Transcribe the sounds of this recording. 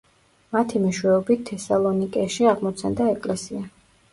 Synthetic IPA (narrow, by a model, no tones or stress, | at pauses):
mat̪ʰimiʃwɛɔbit̪ʰːɛsalˠɔnikʼɛʃiaʁmɔt̪sʰand̪aɛkʼlɛsia